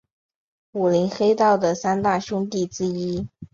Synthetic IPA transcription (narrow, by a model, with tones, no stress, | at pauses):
u˨˩li˧˥nxe˥ɪt̪ɑ˥˩ʊd̪ə˩sa˥nt̪a˥˩ɕjʊ˥ŋt̪i˥˩ʈ͡ʂɻ̩˥i˥